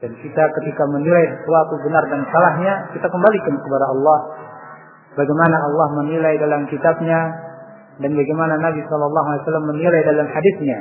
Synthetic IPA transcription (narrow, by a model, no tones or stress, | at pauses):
d̥ankit̪akət̪ikamənilajsəsəwat̪ubənardansalahɲakit̪akəmbalikankəpadaɑlːɑh | baɡajmanaɑlːɑhmənilajdalamkit̪ab̚ɲa | danbaɡajmananabisɔlɑlːɑɦualisalːamːənilajdalamhadisɲa